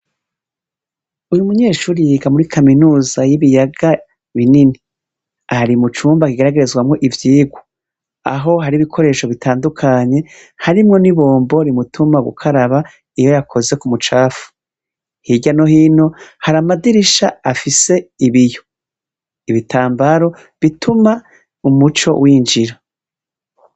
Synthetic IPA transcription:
ujumuɲe̞ːʃuːɾiɡamuɾikʰaminuːzajiβijaɡa | βinini | aɾimut͡ʃuːmbakiɡaɾaɡe̞ɾezɡwamŋo̞ʔivjiːɡwu | a̰ɦo̞ɦaɾiβikʰo̞ɾe̞ːʃo̞βitʰaːndukʰaɲe̞ | haɾimŋo̞niβo̞ːmbo̞ɾimutʰumaɡṵkʰaɾaβa | ijo̞jakʰo̞ze̞kumut͡ʃaːfu̥ | hiɟano̞hiːno̞haɾamadiɾiʃaafise̞iβijo̞ | iβitʰaːmbaɾo̞ | βitʰuma | umut͡ʃo̞̰wiːnd͡ʒiɾa

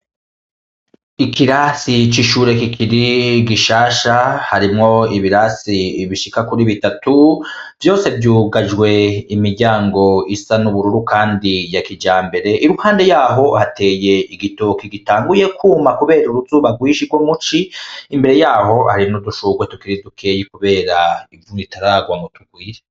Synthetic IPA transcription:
ikiɾasit͡ʃiʃuːɾe̞kikʰiɾiɡiʃaːʃahaɾimŋo̞iβiɾasiβiʃikakuɾiβitatuvjo̞ːse̞vjuːɡaʒɡwe̞imiɾɟaːŋɡo̞isanuβuɾuɾukʰaːndijakid͡ʒaːmbe̞ɾe̞ʔiɾuhaːnde̞jaːɦo̞hatʰe̞ːje̞iɡitoːkiɡitaːŋɡuje̞kʰuːmakuβe̞ːɾuɾuzuːβaɡwiːʃiɡwo̞mut͡ʃiːmbe̞ɾe̞jaːɦo̞haɾinuduʃuːɡwetukiɾidukʰe̞ːjikuβe̞ːɾaivuŋitaɾaːɡwaŋɡotuɡwiːɾe

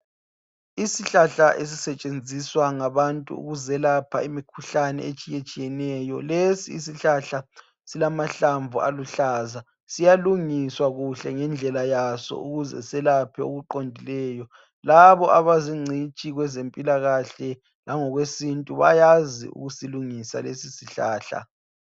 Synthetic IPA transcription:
isiɬaɬaʔes̬isɛt͡ʃʼend͡zʱiswaŋaβantʼṵṵɣuzɛlapʰa̰imikʰuɬanɛ̰et͡ʃʼijet͡ʃʼijɛnɛjɔlesiːsiɬaɬa | silamaɬaɱvʱua̰luɬaːza | sijaluŋiswaɣuɬɛŋɛnd͡ɮʱɛlajasɔ̰uɣuzɛ̰sɛlapʰɛo̰ɣuǃondʱilɛjɔ | laβɔʔaβaziŋ͡ǀʱit͡ʃʼiɣwɛzempʼilaɣaɬɛ | laŋɔɣwesintʼuβa̰jazḭṵɣusiluŋisa̰lesisiɬaːɬa̰

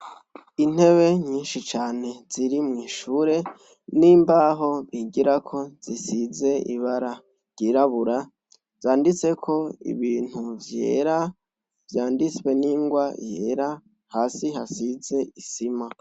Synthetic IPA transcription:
in̥he̞βe̞ɲiːnʃit͡ʃaːne̞z̥iɾimŋiːʃuːɾe̞ | niːmbaɦo̞βiɡiɾakʰo̞z̥isize̞ḭβaɾa | ɾɟ̥iːɾaβuɾa | z̥aːndit͡se̞kʰo̞ḭβiːn̥huvje̞̰ːɾa | vjaːndit͡swe̞niːŋɡwajeːɾa | haːsiɦasize̞isima

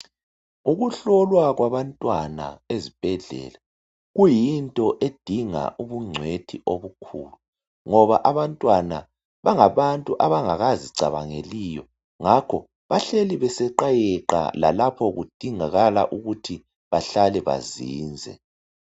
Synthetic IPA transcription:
uɣuɬɔlwaɣwaβantʼwana̰ezib̥ʱɛɮɛ̰la | ɣujintʼɔʔed̥ʱiŋa̰ʔuβuŋ͡ǀʱwetʰiʔoβukʰṵːlu | ŋɔβaʔaβantʼwana | βaŋaβantʼuʔaβaŋaɣaziǀa̰βa̰ŋelijɔ | ŋakʰɔ | βaɬeliβɛsɛǃajɛǃa̰la̰lapʰɔɣud̥ʱiŋaɣala̰ʔuɣutʰi | βaɬalɛβa̰ziːnd͡zʱɛ̰

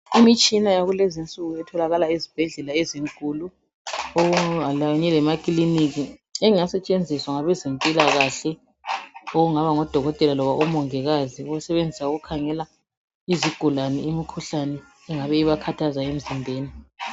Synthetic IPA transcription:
imit͡ʃʼinajaɣulezint͡sʼuɣuɛtʰɔlaɣalaizib̥ʱɛɮɛlaeziŋkʼuːlu | oɣualajɔɲɛlɛmakʼilinik̬iɛasɛt͡ʃʼend͡zʱiswaŋaβɛzempʼilaɣaɬɛ | oɣuŋaβaŋɔd̥ʱɔɣɔtʼɛlalɔβaʔɔmɔŋɛɣaziɣusɛβend͡zʱisauɣukʰaŋɛla | iziɡ̥ʱulanɛimikʰuɬanɛː | ŋaβɛiβakʰatʰazaem̩zindʱeːni

